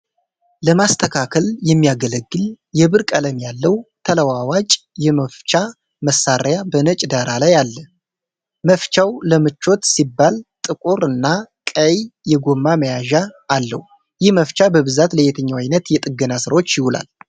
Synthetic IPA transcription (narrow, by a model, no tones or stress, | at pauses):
ləmast̪ʰəkʰakʰəljɛmːijaɡələɡːɨl | jɛβɨɾkʼələmjalːəwt̪ʰələwawat͡ʃʼjɛməft͡ʃa | məsaɾjabənət͡ʃʼd̪aɾalajalːə | məft͡ʃawləmɨt͡ʃːo̞t̪sibːalt̪ʼɨkʼuɾɨnːakʼəjjɛɡomːaməjaʒaːlːə̰hu | jɪhməft͡ʃabəβɨzat̪ləjɛt̪ʰəɲːawajnət̪jɛt̪ʼɨɡːənasɨɾwo̞t͡ʃːjɪhula̰l